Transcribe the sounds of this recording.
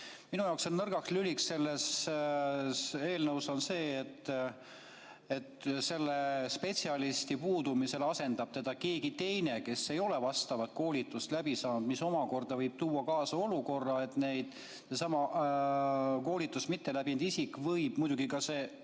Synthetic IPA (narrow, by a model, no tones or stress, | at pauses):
minujɑoksonnɤrɡ̥ɑkslyliksse̞lːe̞s | se̞ːlnɤwso̞nse̞ːt̪ː | et̪ːse̞lːespe̞t̪siɑlist̪ipuːd̪umise̞lɑse̞nd̪ɑb̥̚t̪e̞d̪̥ɑke̞ːɡit̪e̞jne̞ke̞sːe̞jo̞levɑst̪ɑvɑt̪̚ko̞ːlʲit̪ːˑust̪læbisɑːnud̪miso̞mɑko̞rd̪ɑvɤjb̥̚t̪uːɑkɑːsɑo̞luko̞rːɑe̞t̪ne̞jd̪̥ | se̞sɑmɑ | ko̞ːlit̪ˑːusmit̪ːe̞læbind̪isikːvɤjb̥mujd̪̥uɡ̥ikɑse̞ː